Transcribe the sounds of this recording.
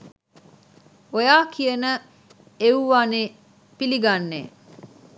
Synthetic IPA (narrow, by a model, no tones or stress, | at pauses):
ojaːkʰijənə | euʋaːne | piliɡanːḛː